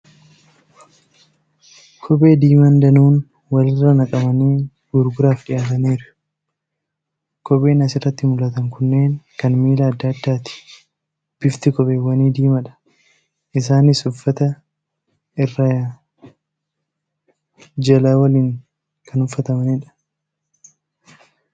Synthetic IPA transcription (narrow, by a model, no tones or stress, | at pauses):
kʰɔbʼe̞ːd̪iːmɐnd̪ɐnuːn | wɐlɪrːɐnɐkʼɐbɐniː | ɡʊɾɡʊɾaːfᶑɪjaːt̪ɐneːɾʊ | kɔpʼe̞ːnɐsɪrːɐt̪ːɪmʊlɐt̪ɐŋkʊnːe̞ːŋkɐnmiːlɐːd̪ːɐɐd̪ːaːt̪ɪ̥ | b̥ɪft̪ɪkɔpʼe̞ːwɐniːd̪iːmɐᶑɐ̥ | ʔɪs̬aːnɪsʊfːɐt̪ɐ | ɪrːɐ | d͡ʒɐlaːwɐliːŋ | kʰɐnʊfːɐt̪ɐmɐneːᶑɐ̥